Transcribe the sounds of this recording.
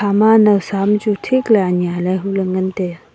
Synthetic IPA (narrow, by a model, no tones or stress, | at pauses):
amanɐwsamt͡ʃutʰiklaanjalaɦuləŋɡənt̪e